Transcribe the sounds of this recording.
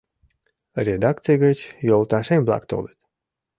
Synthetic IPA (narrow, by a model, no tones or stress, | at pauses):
rʲed̪ɑk̚t̪t͡sijɡət͡ɕjolˠt̪ɑʃemʲblˠɑ̰kt̪o̰lət̪